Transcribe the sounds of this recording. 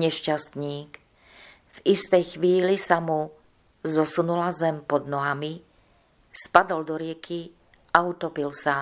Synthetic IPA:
ɲɛʃcast̪ɲiːk | vist̪ɛjxʋiːlisamu | zɔsunulazɛmpɔd̪nɔɦami | spad̪ɔld̪ɔɾɪɛkʰi | aut̪ɔpilsa

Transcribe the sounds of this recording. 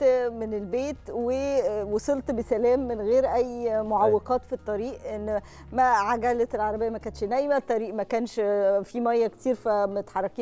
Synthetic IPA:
menelbeːt̪wewosˤolt̪besælæːmːenɣeːɾʔæjːmoʕɑwːeqɑːt̪fit̪ˤːɑɾiːʔʔenː | mæʕaɡælet̪elʕɑɾˤɑbejːæmækæːnʃnæjmæt̪ˤːɑɾiːʔmækæːnʃfimæjːæke̥t̪iːɾfæmot̪ħɑrˤːɑkiː

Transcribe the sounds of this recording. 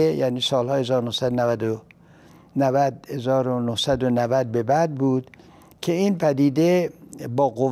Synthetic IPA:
ejæniːsɒːlhɒːhe̞zɒːɾonohsæd̪onævæd̪o | nævæd̪he̞zɒːɾonohsæd̪onævæd̪̚be̞bæd̪̚buːd̪ | cʰe̞iːnpʰæd̪iːd̪e̞bɒːɡo

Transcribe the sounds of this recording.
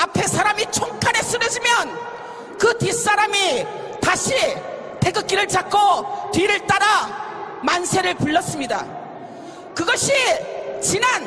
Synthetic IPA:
apʰe̞sʰaɾamit͡ɕʰoŋkʰane̞s͈ʰɯɾʌd͡ʑimjʌn | kɯtis͈aɾami | taɕʰi | tʰeɡɯk͈iɾɯɭt͡ɕakʰːotwiɾɯɭt͈aɾa | mansʰe̞ɾɯɭpuɭːʌs͈ɯmɲida̰ | kɯɡʌɕʰit͡ɕinan

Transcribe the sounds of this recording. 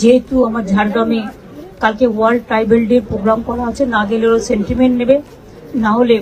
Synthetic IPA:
d͡ʑeɦet̪uamaɾd͡ʑʱaɾʈoami | kalkewaɾɖ̚ʈɾajbelɖeɾpɾoɡɾamkɔʈʰaɦotːʰenaɡeleɾoseɳʈimeɳʈnebe | naɦole

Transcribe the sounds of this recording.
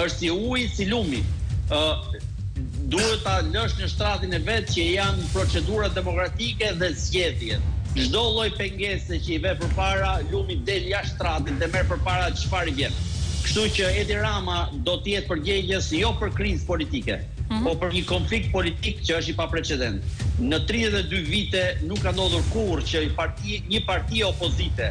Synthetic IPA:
əʃt̪siujsilumi | d̪uɾət̪aləʃnəʃt̪ɾat̪inɛvɛt̪cəjanpɾɔt͡sɛd̪uɾad̪ɛmɔkɾat̪ikɛðɛzɟɛðjɛt̪̚ʒd̪ɔlˠɔjpɛŋɡɛsɛcəivɛpəɾpaɾalumid̪ɛljaʃt̪ɾat̪int̪ɛmɛɾpəɾpaɾat͡ʃfaɾivjɛnkəʃt̪ucəɛd̪iɾamad̪ɔt̪əjɛt̪̚pəɾɟɛɟəsjɔpəɾkɾizpɔlit̪ikɛ̰ | pɔpəɾɲəkɔnflik̚t̪̚pɔlit̪ikcəəʃ̬ipapɾɛt͡ʃɛd̪ɛnt̪nət̪ɾiðɛt̪ɛd̪yvit̪ɛnukːand̪ɔðuɾkurcəpaɾiɲəpaɾt̪iɛɔpɔzit̪ɛ

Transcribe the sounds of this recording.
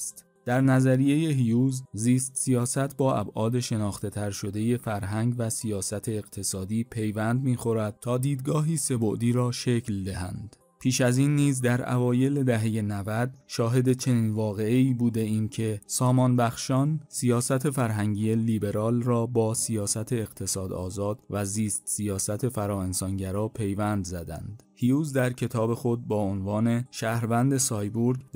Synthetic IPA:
st̪ | d̪̥æɾnæzæɾije̞je̞ɦijuːzziːst̪sijɒːsæt̪ʰbɒːʔæ̰bʔɒːd̪e̞ʃe̞nɒːxt̪e̞t̪ʰæɾʃo̞d̪e̞je̞fæɾɦæŋɡvæsijɒːsæt̪ʰe̞ːɣt̪ʰe̞sɒːd̪iːpʰe̞jvænd̪miːxo̞ɾæd̪̥̚t̪ʰɒːd̪iːd̪ɡɒːɦiːse̞bo̞ʔd̪iːɾɒːʃecʰld̪eɦæ̰nd̪̥ | pʰiːʃæziːnːiːzd̪æɾʔæ̰vɒːje̞led̪æɦe̞je̞nævæd̪̚ʃɒːɦe̞d̪e̞t͡ʃʰe̞niːnvɒːɣe̞eiːbuːd̪e̞iːncʰe̞sɒːmɒːnbæxʃɒːnsijɒːsæt̪ʰe̞fæɾɦæŋɟiːje̞liːbe̞ɾɒːlrɒːbɒːsijɒːsæt̪ʰe̞ːɣt̪ʰe̞sɒːd̪ɒ̰ːzɒːd̪̥væziːst̪sijɒːsæt̪ʰe̞fæɾɒːe̞nsɒːnɟæɾɒːpʰe̞jvænd̪zæd̪æ̰nd̪̥hiuːzd̪æɾcʰe̞t̪ʰɒːbe̞xo̞d̪̚bɒːonvɒːne̞ʃæːhɾvænd̪e̞sɒːjbuɾɡd̪

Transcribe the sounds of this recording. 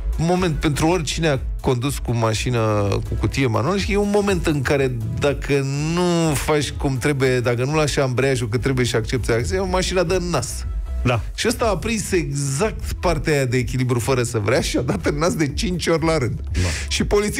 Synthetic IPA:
mo̞me̞nt̪̚pe̞nt̪ɾuorʲt͡ʃinea | ko̞nd̪uskumaʃinəkukut̪ije̞ma̰nualəʃijeunmo̞me̞nt̪ɨŋkaɾe̞ | d̪akʰə | nufat͡ʃʲkumt̪ɾe̞buje̞d̪akənulaʃambɾeaʃok̬ət̪ɾe̞bujeʃak̚t͡ʃe̞p̚t̪seaksimaʃinad̪ənːas | aʃiast̪aːpɾise̞ɡzak̚t̪part̪eajad̪e̞ːk̬ʲilibɾufəɾəsəvɾeaʃiad̪at̪ɨnːasd̪e̞t͡ʃint͡ʃʲo̞rʲlaɾɨnd̪̥ʃipo̞lit̪si

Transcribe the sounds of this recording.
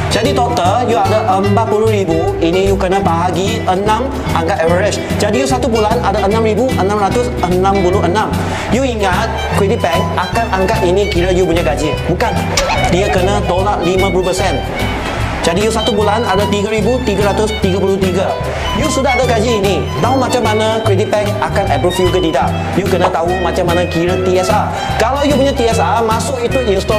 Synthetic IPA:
d͡ʒadit̪ot̪əljuadaʔəmpat̪̚puluhɾibuinĩjukənabaɦaɡi | ənãm | aŋkatɛvəɾɪs | d͡ʒadijusat̪ubulanadaʔənãmɾibuʔənãmɾat̪ʊsənãmpulʊɦənãm | juiŋat̪̚ | kwit̪ipɛkʔakanaŋkaʔinĩkiɾajupuɲaʔɡad͡ʒi | bukan | diakənat̪olaʔlimãpulupəsɛn | d͡ʒadijusat̪ubulanadat̪iɡəɾibut̪iɡaɾat̪ʊst̪iɡapulʊht̪iɡə | jusudaɦadaɡad͡ʒiːni | t̪aɦumat͡ʃamːanãkɾidit̪̚pɛk̚akanɛbəfjukət̪idaʔ | jukənãt̪aɦumat͡ʃamːanãkiɾət̪iɛsa | kalawjup̬uɲat̪iɛsamasʊʔit̪uʔinst̪ɔ

